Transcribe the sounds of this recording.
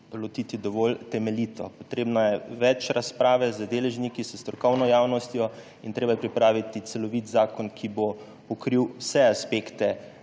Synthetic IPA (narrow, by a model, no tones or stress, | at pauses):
lɔt̪iːt̪id̪ɔʋolt̪ɛmɛliːt̪ɔpɔt̪ɾeːbnajɛʋɛt͡ʃɾaspɾaːʋɛzəd̪eːlɛʒnikisəst̪ɾɔkɔwnɔjaːwnɔst̪jɔ | int̪ɾeːbajɛpɾipɾaːʋit̪it̪sɛlɔʋit̪zaːkɔnkʰibo | ɔkɾiwsɛaspekt̪ɛ